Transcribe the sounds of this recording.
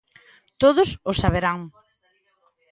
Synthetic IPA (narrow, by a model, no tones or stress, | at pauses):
t̪oðʊsʊsaβ̞eɾaŋ